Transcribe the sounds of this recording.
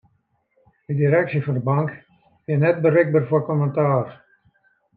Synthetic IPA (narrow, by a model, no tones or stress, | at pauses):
dədiɾɛksifɔndəbaŋk | ɪnɛt̚bərɪɡ̚bərforkoməntaːr